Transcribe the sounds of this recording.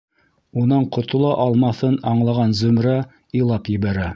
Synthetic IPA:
unɑɴqŏt̪ŏlˠɑʔɑlˠmɑθɤnɑɴlˠɑʁɑnzɵ̆mɾɑ | ilˠɑpjɘ̆βæɾæ

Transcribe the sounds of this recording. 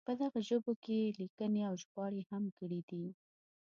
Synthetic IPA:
pəd̪aɣaʒobokelikəneawʒɣwɑɽehamkəɽid̪i

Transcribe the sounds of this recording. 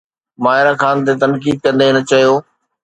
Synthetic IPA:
maːɦɪɾakʰaːnt̪̬et̪ɐnkiːd̪̚kɐ̃nd̪eɪnət͡ɕɐɦijoː

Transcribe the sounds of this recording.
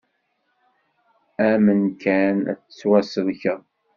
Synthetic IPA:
æmənkʰænæ̰t͡sːə̥t͡sːwæsəlçəʁ

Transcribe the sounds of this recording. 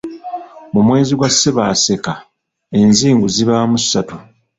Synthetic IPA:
mumwe̞ːziɡwasːeβaːse̞ka | e̞nziːŋɡuziβamussːatu

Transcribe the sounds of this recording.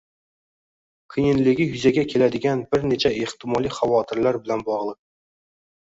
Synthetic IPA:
kʰɪjɪnlɪɡʲɪjʊzaɡʲakʲʰe̞lad̪ɪɡʲanbɪɾne̞t͡ʃʰaeht̪ʰɪmɒlˠijχavɒt̪ʰɪɾlaɾbɪlanbɒʁlˠɨq̚

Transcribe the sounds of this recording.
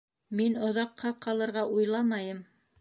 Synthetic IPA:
minŏðɑqːɑqɑlˠɤ̆ɾʁɑʔujlˠɑmɑjɤm

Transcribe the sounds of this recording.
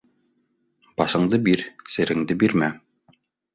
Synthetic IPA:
bɑʃɤ̆ɴd̪ɤbiɾsɘ̆ɾɘ̆ŋd̪ɘbiɾmæ

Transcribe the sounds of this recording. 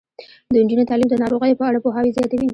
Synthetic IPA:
d̪əɪnd͡ʒunit̪ɑlimd̪ənɑɾoɣəjopəaɽapoɦɑwizjɑt̪awi

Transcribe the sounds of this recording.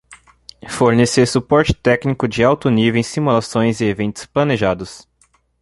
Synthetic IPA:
foɾneseɾsupɔɾt͡ʃɪ̥t̪ɛknikʊd͡ʒɪawt̪ʊnivẽj̃simulasõj̃zɪevẽnt̪ʊ̥splɐneʒad̪ʊs

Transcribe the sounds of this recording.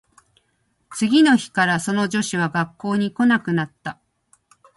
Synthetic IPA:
t͡sɨɡʲino̞çi̥kaɾaso̞no̞d͡ʑo̞ɕiβ̞aɡakːo̞ːɲ̟iko̞nakɯ̟nat̪ːa

